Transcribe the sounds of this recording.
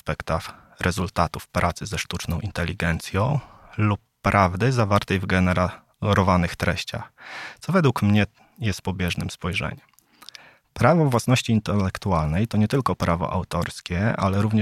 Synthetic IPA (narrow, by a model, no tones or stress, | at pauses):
spɛkt̪ax | ɾɛzult̪at̪ufpɾʔat̪sɘzɛʂt̪ut͡ʂnɔ̃w̃ʔint̪ɛlʲːiɡɛnt̪sʲjɔ̃w̃lupːɾʔavd̪ɘzavaɾt̪ɛjvɡɛnɛɾa | ɾɔvanɘxt̪ɾɛɕt͡ɕa̰xt̪sɔvɛd̪wukmɲɛ | jɛst̪pɔbʲjɛʐnɘmspɔjʐɛ̰ɲɛm | pɾavɔvːwasnɔɕt͡ɕiːnt̪ɛlːɛkt̪ualnɛjt̪ɔɲɛt̪ɘlkɔpɾavɔ̰ʔa̰wt̪ɔɾskʲɛa̰lɛɾuvɲɛ